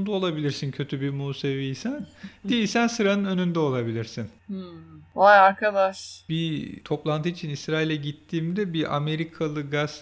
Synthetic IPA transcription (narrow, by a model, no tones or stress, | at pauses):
nd̪uo̞lˠabilʲiɾsincʰø̞t̪ʰybimuːse̞viːsænd̪iisænsɯɾanɯnø̞nynd̪ɛo̞lˠabilʲiɾsin̩ | ajaɾkʰad̪aʃbit̪ʰo̞plˠant̪ʰɯit͡ʃʰinisɾaːilʲɛɟit̪ʰːiːmd̪ɛbiʔa̰me̞ɾikʰalˠɯɡaz̥